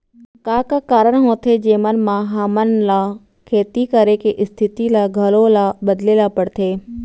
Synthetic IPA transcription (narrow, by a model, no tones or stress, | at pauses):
kaːkakaːɾəɽ̃ɦõt̪ʰed͡ʑeːmənmãɦaːmənla | kʰeːt̪ikəɾekeʔɪst̪ʰɪt̪ilaɡʱəlolaɓəd̪leːlapəɽt̪ʰeː